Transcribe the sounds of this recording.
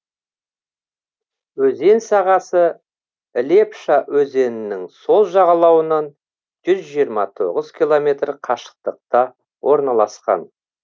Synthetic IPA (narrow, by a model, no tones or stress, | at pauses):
wɵze̞nsɑʁɑsə | ɪle̞pʃawɵze̞nɪnːɪŋso̞lˠʒɑʁɑlˠɑwənɑn | ʒ̥ʏzʒijəɾmɑt̪ʰo̞ʁəz̥kʲʰilˠo̞me̞t̪ɾqʰɑʃə̥q̚t̪əq̚t̪ɑ | wʔo̞ɾnɑlˠɑsqɑ̰n